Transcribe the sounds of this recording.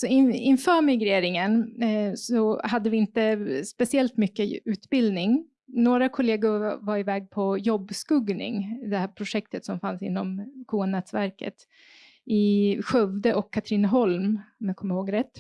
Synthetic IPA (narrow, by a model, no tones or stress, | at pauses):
sɔɪɪnfœːɾmɪɡɾeːɾɪŋənsɔɦad̪ːəvɪɪnt̪əspɛsɪɛlt̪mʏkːəʉ̟ːt̪bɪld̪nɪŋ | noːɾakʰʊleːɡʊɾvaɾɪvɛːɡ̚pʰɔjɔbːskɵɡnɪ̰ŋd̪ɛhæːɾpʰɾʊʂɛk̚t̪ət̪sɔmfansɪ̰nːɔmkʰuːanɛːt̪svæɾkə̰t̪ | ɪɧœvd̪əʔɔkʰːat̪ʰɾiːnəɦɔlmmakʰɔmːəɾhoːɡɾɛt̪ː